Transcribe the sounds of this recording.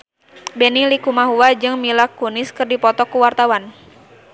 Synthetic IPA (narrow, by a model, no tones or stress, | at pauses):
bɛnilikumaɦuwad͡ʒɨŋmilakːunɪskɨrdipɔt̪ɔkuwart̪awan